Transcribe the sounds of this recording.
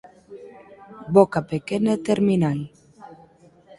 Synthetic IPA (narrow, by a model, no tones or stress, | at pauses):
bokapekenat̪eɾminaŋ